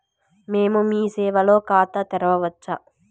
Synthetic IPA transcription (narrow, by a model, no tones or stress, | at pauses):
meːmumiːsɛːʋɐlo̞ːkaːt̪ɐt̪ɛɾɐʋɐʋɐt͡ʃːɐ